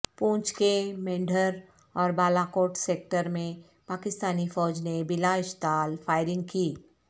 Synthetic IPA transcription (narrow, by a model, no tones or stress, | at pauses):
pũːt͡ʃkemẽːɳɖʱəɾ | ɔːɾbaːlaːkoːʈseːk̚ʈəɾmẽ | paːkɪst̪aːnifɔːd͡ʒnebɪlaɪʃt̪aːlfaːɪɾɪ̃ŋɡ̚kiː